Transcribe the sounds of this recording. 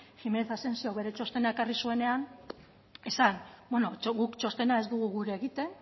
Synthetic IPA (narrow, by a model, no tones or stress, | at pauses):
xime̞neθase̞nsiawβe̞ɾe̞t͡ʃo̞st̪e̞nae̞karisue̞ne̞an | e̞sanbwenoɣukt͡ʃo̞st̪e̞nae̞zd̪uɣ̞uɣuɾeːɣit̪e̞n